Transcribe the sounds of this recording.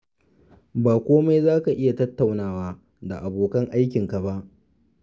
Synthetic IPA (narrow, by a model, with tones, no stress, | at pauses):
baː˨kʷoː˦ma˦jzaː˦ka˨ʔɪ˦ja˨tɐ˦tːa˨wnaː˦waː˦ | da˨ʔa˨boː˨kɐ˦ŋʔa˦jkʲɪ˨ŋka˨ba˦ʔ